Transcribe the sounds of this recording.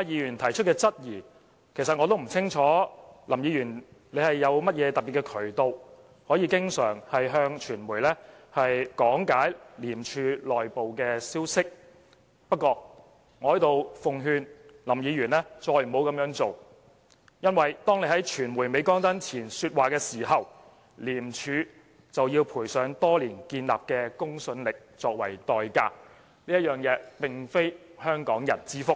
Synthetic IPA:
a˧jiː˨˧jyː˨˩nt̪ʰɐ˨˩jt͡ʃʰɵ˥kɛː˧t͡sɐ˥t̚jiː˨˩ | kʰe˨˩js̬ɐ˨t̚ŋɔː˨˧t̪o˥wm̩˨˩t͡sʰɪ˥ŋt͡ʃʰɔː˨˥lɐ˨˩mjiː˨˧jyː˨˩nle˨˧jhɐ˨jːɐ˨˧wmɐ˥t̚jɛː˨˧t̪ɐ˨t̚pːi˨tkɛ˧kʰɵ˨˩ɥt̪o˨˧w | hɔː˨˥jiː˧kɪ˥ŋsœː˨˩ŋhɐ˨jɦœː˧ŋt͡ʃʰyː˨˩nmuː˨˩jlɛː˥hɐ˨jkɔː˨˥ŋkaː˨˥jliː˨˩mt͡ʃʰyː˧lɔː˨˩jpo˨wkɛː˧siː˥wsɪ˥k̚ | pɐ˥t̚kːɔː˧ | ŋɔː˨˧hɐ˨˥jt̪o˨wfʊ˨ŋɦyː˧nlɐ˨˩mjiː˨˧jyː˨˩nlɛː˥t͡sɔː˧jmo˨˧wkɐ˨˧mjœː˨˥ŋt͡so˨w | jɐ˥nwɐ˨˩jt̪ɔː˥ŋne˨˧jhɦɐ˨˥jt͡ʃʰyː˨˩nwuː˨˩jme˨˥jkɔː˥ŋt̪ɐ˥nt͡sʰiː˨˩nsyː˧t̚waː˨kɛː˧siː˨˩ɦɐ˨w | liː˨˩mt͡ʃʰyː˨˧ | t͡sɐ˨wjiː˧wpʰuː˨˩jsœː˨˥ŋt̪ɔː˥liː˨˩nkiː˧nla̰ː˨p̚kɛː˧kʊ˥ŋsɵ˨nlɪ˨k̚t͡sɔː˧k̚wɐ̰˨˩jt̪ɔː˨jka̰ː˧k̚ | liː˥jɐ˥t̚jœː˨˩ŋjɛː˨˧˥pɪ˨ŋfe˥j | hœː˥ŋkɔː˨˥ŋjɐ̰˨˩nt͡siː˥fʊ˥k̚

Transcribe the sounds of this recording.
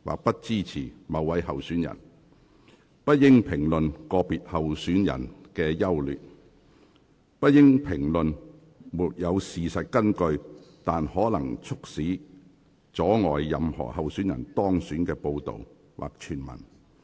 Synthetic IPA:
wa̰ː˨k̚pɐ˥t̚t͡siː˥t͡sʰiː˨˩mɐ˨˧wːɐ˨˧jɦɐ˨wsyː˨˥njɐ̰˨˩n | pɐ˥t̚jɪ˥ŋpʰɪ˨˩ŋlɵ˨nkɔː˧piː˨t̚hɐ˨˩wsyː˨˥njɐ̰˨˩nkɛː˧jɐ˥wlyː˨t̚ | pɐ˥jɪ˥ŋpʰɪ˨˩ŋlɵ˨n | muː˨t̚jɐ˨˧wsiː˨sɐ˨t̚kɐ˥nkɵ˧ɥt̪aː˨nhɔː˨˥lɐ˨˩ŋt͡sʰʊ˥k̚siː˨˥ | t͡sɔː˨˥ŋɔː˨jːɐ˨mhɔ̰ː˨˩hɐ˨wsyː˨˥njɐ̰˨˩nt̪ɔː˥ŋsyː˨˥nkɛː˧po˧wt̪o̰˨w | wʔa̰ː˨k̚t͡ʃʰyː˨˩nmɐ̰˨˩n

